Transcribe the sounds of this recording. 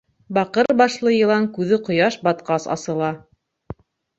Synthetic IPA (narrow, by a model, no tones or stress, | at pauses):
bɑqɤɾbɑʃlˠɤjɤ̆lˠɑŋkʉðɘqŏjɑʃbɑt̪qɑsɑ̰sɤ̆lˠɑ